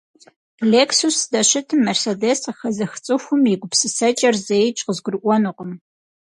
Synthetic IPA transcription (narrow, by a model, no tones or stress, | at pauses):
leːksusdɐɕɪtʰɨmːersedesqəxɐzɐxt͡sʼɨxʷʊmjɪɡʷʊpsɨsɐt͡ʃʼɐrzejt͡ʃʼqəzɡʷʊrʔʷɔnuqəm